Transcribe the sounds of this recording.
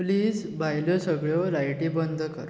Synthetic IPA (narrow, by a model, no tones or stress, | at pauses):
pliːd͡z | bʱajljɔsəɡɭjɔɾajʈĩbənd̪ʱkəɾ